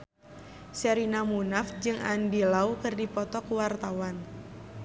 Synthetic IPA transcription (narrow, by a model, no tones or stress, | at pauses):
sɛɾinamunafd͡ʒɨŋʔa̰ndilaukɨrdipɔt̪ɔkuwart̪awan